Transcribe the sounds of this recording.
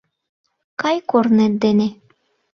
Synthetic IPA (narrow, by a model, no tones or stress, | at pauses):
kɑjkorned̪ene